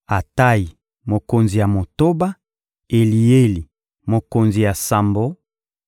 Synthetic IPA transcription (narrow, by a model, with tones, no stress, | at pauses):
a˨ta˦ji˨ | mo˨ko˨nzi˨ja˨mo˨to˦ba˦ | e˨li˨e˦li˨ | mo˨ko˨nzi˨ja˨sa˨mbo˦